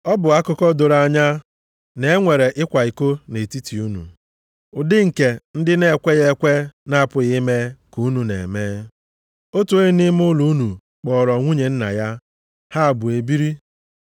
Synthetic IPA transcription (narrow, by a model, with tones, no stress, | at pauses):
ɔ˦bʊ˨a˦kʊ˦kɔ˦do˨ɾa˦ɲa˦ | ne˨e˦ŋʷe˨ɾe˨ʔɪ˦kʷa˨i˨ko˦ne˨ti˦ti˨u˦nṵ˨ | ʊ˨dɪ˦ŋ̩˨ke˨n̩˦dɪ˦ne˦˨kʷe˦ɣe˦kʷe˦na˦a˨pʊ˨ɣi˦me˦ku˨u˦nu˨nḛ˨meː˦ | o˦tu˨e˦nɪ˦m˦ʊ˦lu˦nu˨ | k͡pɔ˨ɾɔ˨ŋʷu˦ɲe˨n̩˦na̰˨ja˦ | ha˦a˨bʊ˨e˨bi˦ɾi˦